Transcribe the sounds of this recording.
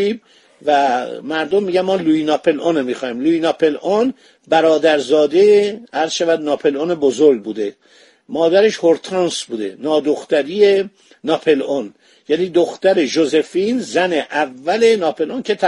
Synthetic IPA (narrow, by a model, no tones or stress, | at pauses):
iːb | væmæɾd̪omːiːɟæmmːɒːluinɒːpʰe̞lʔonemixɒːiːmluːinɒːpʰe̞lʔon | bæɾɒːd̪æɾzɒːd̪eæɾz̥ʃævæd̪nɒːpʰe̞lonebozoɾɡ̚buːd̪e̞ | mɒːd̪æɾeʃho̞ɾt̪ʰɑːnsbuːd̪e̞̰nɒːd̪oxt̪æɾiːje | nɒːpʰe̞lon | jæniːd̪oxt̪æɾe̞ʒoze̞finzæneʔævːæle̞nɒːpe̞lʔoncʰet̪ʰæ